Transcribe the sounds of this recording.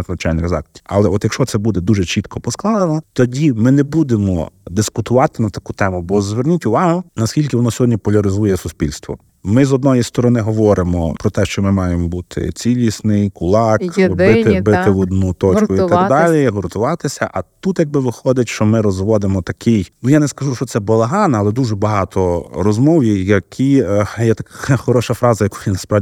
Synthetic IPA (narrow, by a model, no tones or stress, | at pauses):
znɐt͡ʃajʲnizɑ̰kt̪ʲi̥ɐlˠɛɔt̪jɐkʃt͡ʃɔt̪sɛbud̪ɛd̪uʒɛt͡ʃit̪kʰɔpɔsklˠɑd̪ɐnɔt̪ɔdʲimɪnɛbud̪emɔ̰d̪ɪskʊt̪ʊʋɑt̪ɪnɐt̪ɐkut̪ɛmʊbɔzʋernʲitʲʊʋɑɦʊnɐskʲilʲkɪʋɔnɔsʲɔɦɔdʲnʲipɔlʲɐɾɪzujɛsʊspʲilʲst̪ʋɔ̰ | mɪzɔd̪nɔjist̪ɔɾɔnɪɦɔʋɔɾɪmɔ̰pɾɔt̪ɛʃt͡ʃɔmɪmɑjemɔbut̪ʰɪ̰t͡sʲilʲisnɪjkʊlˠɑkbɪt̪ɪbɪt̪ɪʋɔd̪nut̪ɔt͡ʃkʊiɐɡd̪alʲiɦɔɾt̪ʊʋɑt̪ɪsʲɐʔɐt̪ut̪jɐɡ̚bɪʋɪxɔd̪ɪtʲʃt͡ʃɔmɪɾɔzʋɔd̪ɪmɔt̪ɐkʰɪjnujanɛskɐʒuʃɔt̪sɛbɔlˠɐɦɑnɐɐːlˠɛd̪uʒɛbɐɦɑt̪ʰɔɾɔzmɔwjijɐkʰijɛt̪ɐkxɔɾɔʃɐfɾɑzɐjɐku̥jinɐspɾɑ